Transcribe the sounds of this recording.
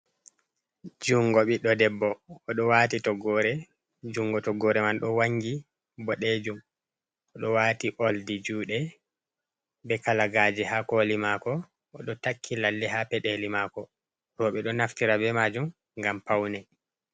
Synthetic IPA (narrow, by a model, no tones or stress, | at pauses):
d͡ʒuŋɡɔɓiɗɔdɛbːɔːɗɔwatitɔɡɔːɾɛ | d͡ʒuŋɡɔtɔɡːɔɾɛmanɗɔwaŋɡi | bɔɗed͡ʒum | ɔɗɔwaːtiʔoldid͡ʒuːɗɛ | bɛkalaɡaːd͡ʒɛhakolimaːkɔː | ɗɔtakʰːilalːɛɦapɛɗelimaːkɔ | ɾɔɓɛɗɔnaftiɾabɛmad͡ʒum | ŋɡampawnɛ